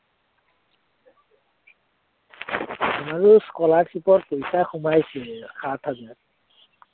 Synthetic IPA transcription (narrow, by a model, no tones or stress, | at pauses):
amaɹuskɔlaɹtʰipɔtpojsaxumajsixatʰaba